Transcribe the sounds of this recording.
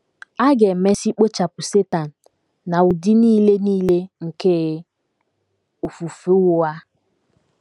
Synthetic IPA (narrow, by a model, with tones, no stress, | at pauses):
a˦ɡe˨me˦si˦k͡po˦t͡ʃa˨pʊ˨se˦ta˨n̩˨ | na˨u˨di˦niː˦le˦niː˦le˦ŋ̩˨ke˦˨ | u˨fu˨fe˦wʊ˦a˦